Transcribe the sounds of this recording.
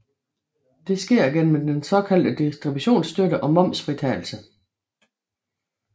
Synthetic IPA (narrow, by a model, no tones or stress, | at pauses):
d̥e̝sɡ̥e̝ɐ̰ɡ̥en̰m̩d̥ensɒ̽kʰæl̰d̥əd̥isd̥ʁibuɕo̝̰ːnsd̥øɾəʔɒ̽mɒ̽m̰sfʁit͡sʰɛːl̩sə